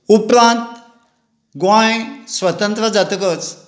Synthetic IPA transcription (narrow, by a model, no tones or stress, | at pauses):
upɾãnt̪ | ɡwãjsʋət̪ənt̪ɾəd͡zat̪əkət͡s